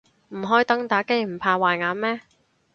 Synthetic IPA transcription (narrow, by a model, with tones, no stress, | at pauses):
m̩˨˩ɦɔː˨˥jt̪ɐ˥ŋt̪aː˨˥ke˥jm̩˨˩pʰaː˧waː˨˩jŋaː˨˥nmɛː˥